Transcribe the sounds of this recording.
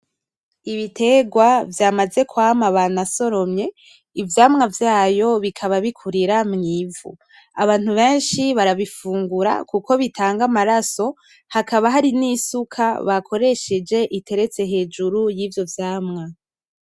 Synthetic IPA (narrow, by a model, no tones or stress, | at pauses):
iβitʰe̞ɡwavjaːmaze̞kwaːmaβanaso̞ɾo̞mɲe̞ | ivjaːmŋavjaːjo̞βikʰaβaβikʰuɾiɾamŋiːvṵ | aβaːn̥uβe̞ːnʃiβaɾaβifuːŋɡuɾa̰kuko̞βitʰaːŋɡamaɾaso̞ | hakaβaɦaɾiniːsukʰaβakʰo̞ɾe̞ʃed͡ʒe̞ʔitʰe̞ɾe̞t͡se̞ɦe̞ːd͡ʒuɾujiːvjo̞vjaːmŋa